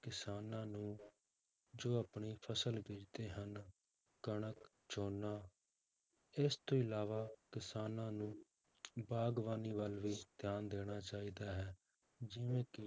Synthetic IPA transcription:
kɪsaːnãːnũː | d͡ʒoːəpɳiːpʰəsəlbiːd͡ʒt̪eːɦən | kəɳək | t͡ʃʰoːnaː | ɪst̪õːɪlaːʋaːkɪsaːnãːnũː | baːɡʋaːniːʋəlʋiːt̪jaːnd̪eːɽ̃aːt͡ʃaːiːd̪aːɦɛː | d͡ʒɪʋẽːkɪ

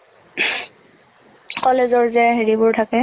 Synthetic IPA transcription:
kɔlezɔɹzɛɦeɹibʊɹtʰakɛ

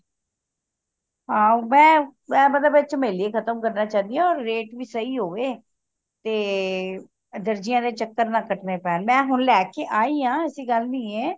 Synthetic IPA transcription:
ɦãːomɛ̃ːmɛ̃ːmət̪ləbət͡ʃəmeːleːkʰət̪əmkəɾnaːt͡ʃaːd̪ijãːɔːɾːeːʈʋiːsəiːɦoːʋeː | t̪eː | d̪əɾd͡ʒɪjãːd̪eːt͡ʃəkːəɾnãːkəʈʰnẽːpɛːnmɛ̃ːɦʊnlɛːkeːʔaːiːãːəsiːɡəlnĩːeː

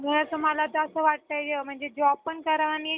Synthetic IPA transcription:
miəsəməlat̪əsəːʋaʈ̚t̪əjjem̤əɳd͡zed͡ʑɔb̚pəɳkəɾʋani

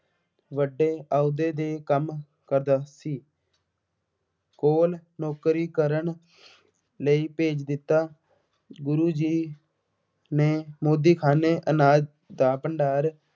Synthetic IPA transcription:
ʋəɖːeːaːud̪eːd̪eːkəm | kəɾd̪aːsiː | koːlnoːkɾiːkəɾəɳ | ləiːpeːd͡ʒd̪ɪt̪ːaː | ɡʊɾuːd͡ʒiː | neːmoːd̪iːkʰaːneːʔənaːd͡ʒ | d̪aːpəɳɖaːɾ

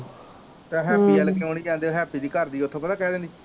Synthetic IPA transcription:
t̪aɦɛːpiːəlkeːoːñiːd͡ʒãːnd̪eːoɦɛːpiːd̪iːkəɾd̪iːot̪ʰõːpət̪aːkɛːd̪ẽːnd̪iː

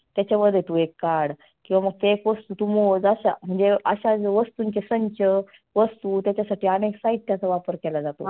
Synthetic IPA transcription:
t̪jat͡ɕaʋəd̪et̪uekːaɽ | kĩw̃ʋaməɡ̚t̪ekʋəst̪uːt̪umod͡zaɕam̤əɳd͡zeə̰ɕad͡zəʋəst̪uːɲt͡ɕesəɲt͡ɕə | ʋəst̪uːt̪jat͡ɕasaʈiːaneksait̪̚t̪jat͡saʋapəɾkɛlad͡zat̪o̰

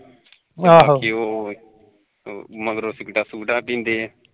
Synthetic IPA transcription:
aɦkioː | məɡɾoːsɪkʈaːsuːʈaːpĩːnd̪eː

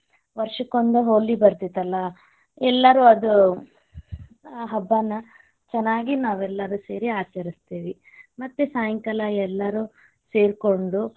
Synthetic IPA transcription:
ʋɐɾʂɐkond̪uɦoːlibɐɾt̪it̪ːɐlːɐ | ɛlːɐɾuɐd̪u | aɦɐbːɐnːɐ | t͡ʃɛnːaːɡinaːʋɛlːɐɾuːseːɾiaːt͡ʃɐɾist̪iːʋi | mɐt̪ːesaːjɐŋkɐlɐɛlːɐɾuː | se̞ːɾkoɳɖu

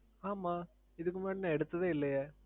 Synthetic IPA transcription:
aːmaː | ɪðɯk̬ːɯmaːʈnɐ̃ɛɽɯt̪ːɐðɐːɪlːɐjɐ

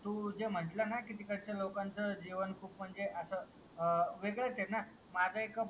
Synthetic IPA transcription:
t̪ũːd͡zem̤əɳʈlənakit̪ikəɽt͡ɕalokant͡səd͡ʑiʋənkʰuːpm̤əɳd͡zeʔəsə | ʋeɡɭat͡sena | mad͡zʱaekə

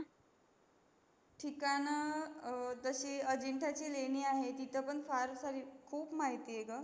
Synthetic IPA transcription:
ʈʰikanə | d͡z̪əɕiəd͡ʑeɳʈʰat͡ɕileɽ̃iːaɦet̪it̪ʰəpəɳfaɾsaɾikʰuːpmaɦit̪ieɡə

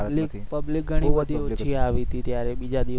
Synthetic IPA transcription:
likpəblik̚ɡʱəɽ̃ʋəd̪ʱiot͡ʃʰiaʋit̪it̪jaɾebid͡ʒad̪i

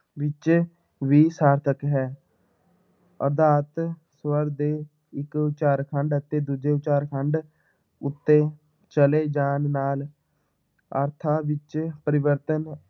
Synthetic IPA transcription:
ʋɪt͡ʃ | ʋiːsaːɾt̪ʰəkɦɛː | əɾd̪aːt̪swəɾd̪eː | ɪkʊt͡ʃaːɾkʰəɳɖət̪eːd̪uːd͡ʒeːt͡ʃaːɾkʰəɳɖ | ʊt̪ːeː | t͡ʃəleːd͡ʒaːnnaːl | ə̰ɾt̪ʰaːʋɪt͡ʃpəɾɪʋəɾt̪ən

